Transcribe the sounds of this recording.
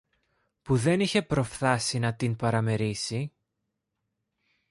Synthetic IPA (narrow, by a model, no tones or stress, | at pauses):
puðe̞niçe̞pɾo̞fθɐsinɐt̪inpɐɾɐme̞ɾisi